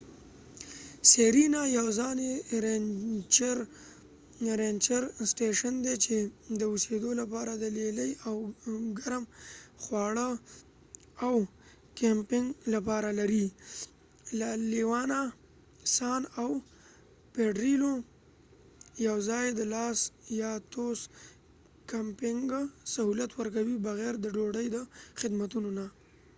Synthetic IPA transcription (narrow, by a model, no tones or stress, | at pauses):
seɾinajawzɑneɾet͡ʃɾ | ɾent͡ʃaɾsʈeʃand̪et͡ʃed̪əʊsed̪olapɑɾad̪əleləjawɡaɾmxwɑɽə | aw | kempɪŋɡlapɑɾalaɾi | laliwɑna | sɑnaw | peɖɾilo | jawzɑjed̪əlɑsjɑt̪os | kampɪŋɡsahulat̪wəɾkawibaɣeɾd̪əɖoɖəjd̪əxɪd̪mat̪unona